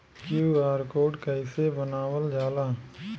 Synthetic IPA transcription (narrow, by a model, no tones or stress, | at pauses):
kjuːaːɾkoːɖkaɪsebənaːʋəld͡ʒaːlaː